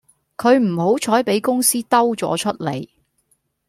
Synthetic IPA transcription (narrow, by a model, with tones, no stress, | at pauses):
kʰɵ˨˧ɥm̩˨˩ho˨˥wt͡ʃʰɔː˨˥jpe˨˥jkʊ˥ŋsiː˥t̪ɐ˥wt͡sɔ̰ː˨˥t͡ʃʰɵ˥t̚lḛ˨˩j